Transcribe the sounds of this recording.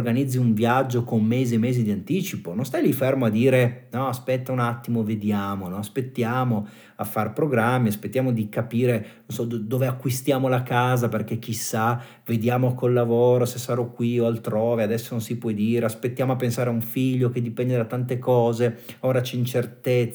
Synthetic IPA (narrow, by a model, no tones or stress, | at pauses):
rɡanid̪zːiuɱvjad͡ʒːokomːeːziemːeːzid̪iant̪iːt͡ʃipononst̪ajlifermoad̪ːiːɾenɔaspɛt̪ːaunat̪ːimoved̪jaːmonɔaspet̪ːjaːmo | afːarpɾoɡɾamːiaspet̪ːjaːmod̪ikapiːɾenonsɔd̪d̪oːveakːwist̪jaːmolakaːzaperkek̟ːisːa | ved̪jaːmokolːavoːɾosesːaɾɔkːwioalt̪ɾoːvead̪ɛsːononsipwɔjd̪iːɾeaspet̪ːjaːmoapːensaːɾeauɱfiʎːoked̪ːipɛnd̪ed̪at̪ːant̪ekɔːzeoːɾat͡ʃɛint͡ʃert̪et̪